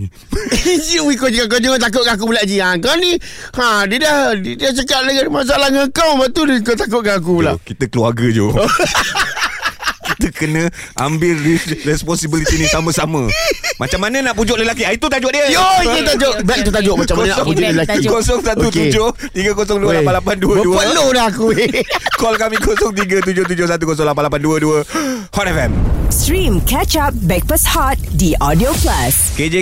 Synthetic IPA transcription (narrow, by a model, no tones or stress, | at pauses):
d͡ʒiwik̬ʊd͡ʒikak̬ad͡ʒoŋat̪ak̬ʊʔ̪̚kaak̬ubulaʔd͡ʒiankawni | hãdiədahdədiat͡ʃəkat̪̚ləɡamas̬aalahŋakawabaʔt̪udəikot̪ak̬ʊt̪̚kaak̬ubulakit̪əkəluaɡəd͡ʒo̰o | kit̪əkənə̃a̰mbɪlirɛspɔnsibilit̪inĩsamə̃samə̃mat͡ʃamːanə̃naʔpud͡ʒʊʔləlakiait̪ut̪ad͡ʒʊʔdiəjoiut̪ad͡ʒoʔbɛk̚t̪ut̪ad͡ʒʊʔmat͡ʃamkaonsɔulakikosɔŋsat̪ukud͡ʒoh | t̪iɡəkosɔŋduəlapanlapanduəbəduəəloɾakuekɔlkamikosɔŋt̪̬iɡət̪̬ud͡ʒot̪̬ud͡ʒohs̬at̪̬ukɔs̬ɔŋlap̬anlapanduəduə | hɔt̪ɛfɛmstɾĩmkɛt͡ʃap̚bɛk̚pəshɔt̪̚diʔɔdioplasked͡ʒe